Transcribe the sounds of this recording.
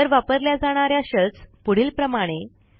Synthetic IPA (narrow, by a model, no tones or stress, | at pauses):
əɾʋapəɾljad͡zaɽ̃aɾjaɕət͡spuɽ̤iːlpɾəmaɽ̃e